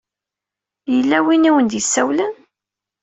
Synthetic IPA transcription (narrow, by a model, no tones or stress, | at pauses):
jəlːæwiniwənd̪jəsːæwlən